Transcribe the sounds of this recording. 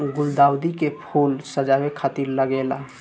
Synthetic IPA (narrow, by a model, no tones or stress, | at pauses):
ɡʊld̪awd̪ikepʰulsəd͡ʒabekʰat̪iɾləɡela